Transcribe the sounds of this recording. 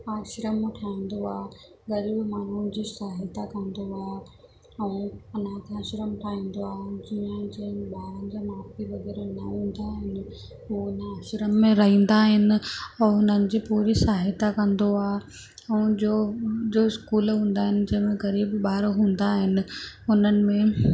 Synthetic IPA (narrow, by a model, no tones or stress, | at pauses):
aːʃɾəmːẽʈʰaːĩːn̆d̪oaːɦ | ɣɐɾiːbmaːn̤ud͡ʑiːsaːɦɪt̪akɐ̃nd̪oaːɦe | ɛ̃ɐnãkʰeaːʃɾəmʈʰaːɦĩːn̆d̪oaːɦeɪɪd͡ʑiə̃d͡ʑiə̃ɓaːɾə̃n̆d͡ʑaːmaːfiʋɐɡɛːɾenɐɦũːn̆d̪aːɦɪnɪ̆ | ɦuʊnəɐʃɾəmːẽɾɐɦĩːn̆d̪aːɦɪnɪ̆ɔːɾɦʊnənɪ̆d͡ʑiːpuːɾisaːɦɪt̪akɐ̃nd̪oaːɦ | ɛ̃d͡ʑoːd͡ʑoɪskuːlɦũːn̆d̪aːɦɪnɪ̆d͡ʑɐ̃ɦɪ̃mẽɣɐɾiːbɓaːɾoɦũːn̆d̪aːɦɪnɪ̆ʊnənɪ̆mẽ